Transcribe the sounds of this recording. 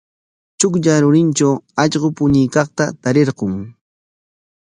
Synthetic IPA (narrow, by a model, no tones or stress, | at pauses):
t͡ʃʊkʎaɾʊɾɪnt͡ʃawɑʎɢopʊɲɪjkɑχt̪at̪aɾeɾɢoŋ